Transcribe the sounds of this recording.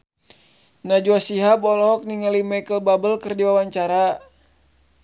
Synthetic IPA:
nad͡ʒuasiɦabɔlɔɔk̚niŋalimajkəlbabəlkɨrdiwawaɲt͡ʃaɾa

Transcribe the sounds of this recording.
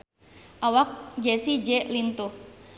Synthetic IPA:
ʔawak̚d͡ʒɛsid͡ʒɛlint̪uh

